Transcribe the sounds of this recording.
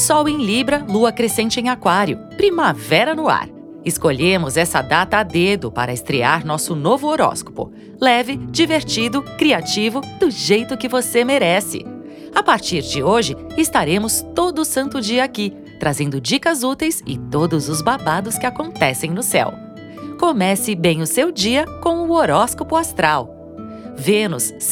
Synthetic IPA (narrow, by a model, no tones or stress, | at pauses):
sɔwẽj̃libɾɐluɐkɾesẽnt͡ʃɪẽj̃akwaɾjʊpɾimavɛɾɐnʊa̰ɾ | ɪskoʎẽmʊzɛsɐ̰d̪at̪ɐːd̪ed̪ʊpa̰ɾɐɪst̪ɾeaɾnɔsʊnovʊoɾɔ̰sko̥pʊ̰ | lɛvɪd͡ʒiveɾt͡ʃid̪ʊkɾiat͡ʃivʊd̪ʊʒejt̪ʊkɪvosemeɾɛsɪ̰ | apaɾt͡ʃiɾd͡ʒɪoʒɪ | ɪst̪aɾẽmʊst̪od̪ʊsɐ̃nt̪ʊd͡ʒiɐaki | t̪ɾazẽnd̪ʊd͡ʒikɐzut̪ejsɪ̰t̪od̪ʊzʊzbabad̪ʊskɪakõnt̪ɛsẽj̃nʊsɛ̰w | komɛsɪbẽj̃ʊsewd͡ʒiɐkõw̃ʊoɾɔskopʊast̪ɾaw | venʊ̰s